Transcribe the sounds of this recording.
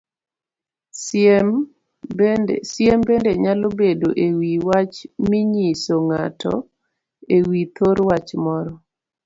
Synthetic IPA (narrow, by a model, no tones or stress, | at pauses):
sɛm | bendsjɛmbendeɲalɔbedoʔewiwat͡ʃmiɲisoŋatɔ̰ | ewit̪ʰoɾwat͡ʃmɔɾɔ